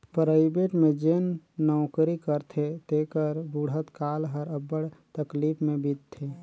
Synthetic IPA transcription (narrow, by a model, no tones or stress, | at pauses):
pɾaːɪbeʈmẽd͡ʒenːɔːkɾikəɾt̪ʰet̪ekəɾbuɽ̤ət̪kaːlɦəɾəbəɽt̪əklipʰmẽbid̪̚t̪ʰːe